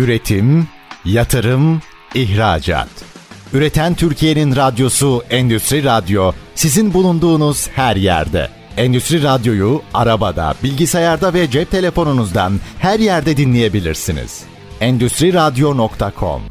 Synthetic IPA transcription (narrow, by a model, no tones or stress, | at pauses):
yɾe̞t̪ʰim | jat̪ʰɯɾɯm | içɾa̰ːd͡ʒa̰t̪yɾe̞t̪ʰænt̪ʰyɾcʰije̞ninɾad̪jo̞suɛnd̪yst̪ɾiɾad̪jo̞sizinbulˠund̪uːnuz̥hæɾjæ̰ɾd̪ɛ̰ | ɛnd̪yst̪ɾiɾad̪jo̞juaɾabad̪a̰bilʲɟisajaɾd̪avɛd͡ʒɛp̚t̪ʰe̞lʲe̞fo̞nunuzd̪anhæɾjæɾd̪ɛd̪inlʲeje̞bilʲḭɾsinḭz̥ | ɛnd̪yst̪ɾiɾad̪jonokt̪ʰakʰo̞̰m